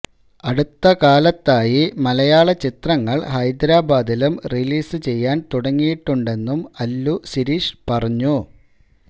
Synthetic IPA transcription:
ɐɽut̪ːɐkaːlɐt̪ːaːjimɐlɐjaːɭɐt͡ɕit̪rɐŋːɐɭhɐjd̪ɾaːbaːd̪ilumriliːsɨt͡ɕe̞jːaːnt̪uɽɐŋːijiʈːuɳɖe̞nːumɐlːusiɾiːʂpɐrɐɲːu

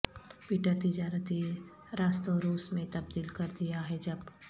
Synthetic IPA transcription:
piʈat̪ɪd͡ʒaːɾət̪i | ɾaːst̪oɾuːsmẽt̪ɐb̚d̪iːlkɐɾd̪ijaɦɛd͡ʒɐb

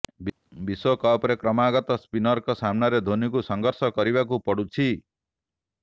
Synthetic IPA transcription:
biswokɔpɾekɾɔmaɡɔt̪ɔspinɔɾkɔsamnaɾed̪ʱonikusɔŋɡɔɾsɔkɔɾibak̬upɔɽut͡ʃʰi

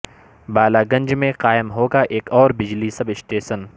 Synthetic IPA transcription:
baːlaɡɐ̃ɲd͡ʒmẽqaːɪmɦoːɡaʔeːkɔːɾbɪd͡ʒlisɐbɪsʈeːʃən

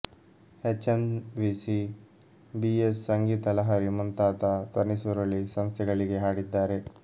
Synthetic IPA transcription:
het͡ʃːɐnʋisi | biesːɐŋɡiːt̪ɐlɐɦaɾimunt̪aːt̪ɐt̪ɐnisuɾolːisɐmst̪ʰɛɡɐɭiɡe̞ɦaːɽid̪ːaːɾe

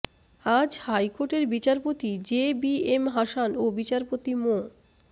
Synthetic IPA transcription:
ad͡ʑhajkoʈeɾbit͡ɕaɾpot̪id͡ʑebiemɦaʃanobit͡ɕaɾpot̪imo

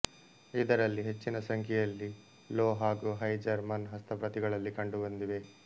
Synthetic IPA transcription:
id̪ɐɾɐlːiɦe̞t͡ʃːinɐsɐŋkʰɛjɐlːi | loːɦaːɡuɦɐjd͡ʒɐɾmɐnɦɐst̪ʰɐpɾɐt̪iɡɐɭɐlːikɐɳɖubɐnd̪iʋe̞

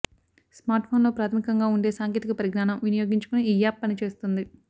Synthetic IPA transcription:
smaːɾʈpʰo̞ːnlo̞ːpɾaːt̪ʰɐmikɐŋɡaːuɳɖe̞ːsaːŋkjeːt̪ikɐpɐɾiɡnaːnɐmʋinijo̞ːɡiɲt͡ʃu̥kuniiːjaːpːɐnit͡ʃe̞ːst̪und̪i

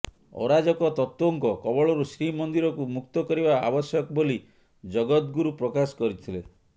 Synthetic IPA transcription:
ɔ̰ɾad͡ʒɔkɔt̪ɔt̪ːwoŋkɔkɔbɔɭɔɾusɾimɔnd̪iɾɔkumukt̪ɔkɔɾibaa̰bɔsjɔkɔboli | d͡ʒɔɡɔt̪ɡuɾupɾɔkasɔ̥kɔɾit̪ʰile

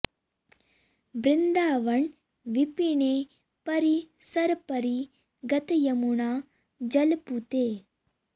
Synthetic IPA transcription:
bɾɪnd̪aːʋɐɳ | ʋipiɳeː | pɐɾi | sɐɾpɐɾi | ɡɐt̪ɐjɐmuɳaː | d͡ʒɐlput̪eː

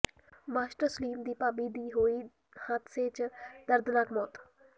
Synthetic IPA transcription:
maːʃʈəsliːmd̪iːpaːbiːd̪iːɦoːiː | hat̪seːt͡ʃd̪əɾd̪naːkmɔːt̪

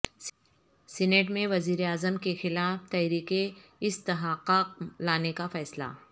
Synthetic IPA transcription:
sɛneːʈmẽʋɐziːɾeaːzəmkexɪlaːft̪ɛːɾiːqeɪst̪ɪɦaːqaːq̚laːnekafɛːsla̰ː

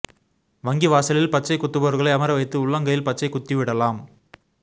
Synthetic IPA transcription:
ʋɐŋɡiʋaːsɐlɪlpɐt͡ʃːɐɪkʊt̪ːɯboːɾɣɐɭɐɪɐmɐɾɐʋɐɪt̪ːɯʊɭːɐŋɡɐjɪlpɐt͡ʃːɐɪkʊt̪ːiʋɪɽɐlaːm

